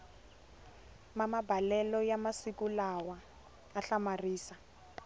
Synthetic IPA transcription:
mamabʱalɛlɔjamasikulawaː | ɬamariːsa

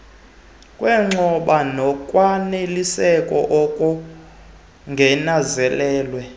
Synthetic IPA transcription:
kʼwɛŋ͡ǁʱɔɓanɔkʼwanelisɛkʼɔ̰ʔɔkʼɔ | ŋɡʱɛnazɛlɛːlwɛ

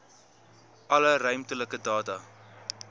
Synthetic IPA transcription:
ʔɐlərœɥmtələkədɑːtɐ

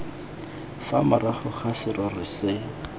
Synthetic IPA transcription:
famaraχʊχasɪɾɔrɪsɪ

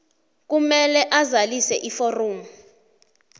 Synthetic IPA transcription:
k̬umɛlɛʔazalisɛʔiforoːmu

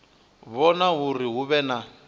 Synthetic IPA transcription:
βɔnaɦuriɦuβɛna

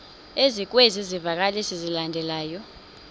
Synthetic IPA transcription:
ezik̬wezizivak̬ʼalisizilandʱɛlaːjɔ

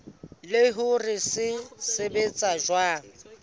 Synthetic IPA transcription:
lɪɦʊrɪsɪsebet͡sʼaʒwa

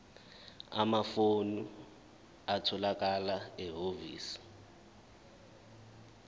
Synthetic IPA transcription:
a̰mafonu | atʰɔlakʼalaɛɦovḭːsi̥

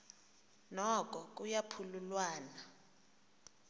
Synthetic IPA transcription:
nɔkʼɔk̬ʼujapʰululwaːna

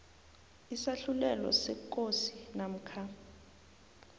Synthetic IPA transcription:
isaɬulɛlɔ̰sɛk̬ʼosinam̩kʰa

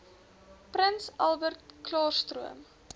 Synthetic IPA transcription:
prənsɐlˠbərt̚klɑːrstruəm

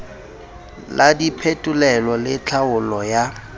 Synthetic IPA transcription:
ladipʰetʼʊlɛlɔlɪt͡ɬʰaʊlɔja

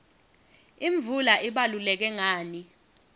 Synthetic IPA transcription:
iɱbvulaʔiɓalulɛk̬ɛŋaːni

